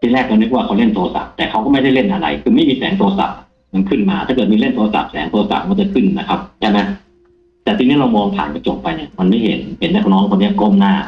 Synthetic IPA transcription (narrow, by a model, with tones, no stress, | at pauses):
t̪ʰiː˧lɛː˥˩k̚ma˧ni˦˥˩wa˥˩kʰwle˥˩nt̪u˧sa̰˨˩p̚t̪ɛː˨˩kʰa˥wkɔː˥˩ma˥˩jda˥˩jle˥˩nʔa˧ɾa̰˧jkʰɯː˧ma˥˩jmiː˧sɛ̰ː˩˦ŋt̪u˧sa̰˨˩p̚ | ma˧nkʰɯ˥˩nmaː˧t̪ʰa˥˩kɤ˨˩t̪̚miː˧le˥˩nt̪u˧sa̰˨˩p̚sɛː˩˦ŋt̪u˧sa̰˨˩p̚ma˧˥˩t͡ɕa˧kʰɯ˥˩nna˦˧˩kʰa˦˥p̚t͡ɕʰa˥˩ma˦˥j | t̪ɛː˨˩iː˧ni˦˥˩ɾa˧wmɔː˧ŋt̪ʰa̰ː˩˦nka˧˩t͡ɕo˨˩p̚ːa˧jnḭ˧˩ɐma˧nma˥˩jɦḛ˩˦nhe˨˩˦nːa˦˧˥k̚nɔː˦˥ŋkʰo˧nːi˥˩˨ko˥˩˨mnaː˥˩